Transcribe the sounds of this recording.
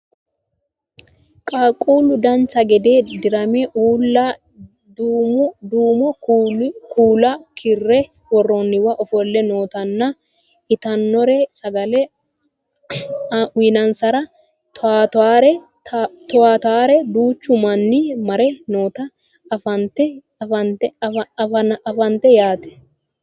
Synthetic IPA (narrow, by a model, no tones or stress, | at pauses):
kʼaːkʼuːlʊd̪ɐnt͡ʃːɐɡɛd̪e̞ːd̪ɪɾɐmɛʔuːlːɐ | dːmʊd̪uːmɔ | kuːlɐkʰɪrːɛ | wɔrːɔnːɪwɐʔɔfɔlːɛnoːt̪ɐnːɐ | ɪt̪ɐnːɔɾɛsɐɡɐlɛ | winɐnsɐɾɐ | t̪aːt̪aːɾɛ | t̪ɔwaːt̪aːɾɛd̪uːt͡ʃːʊmɐnːɪmɐɾɛnoːt̪ɐ | fɐnt̪ɛ | ɐnt̪ | ɐɐfɐnt̪ɛjaːt̪ɛ̥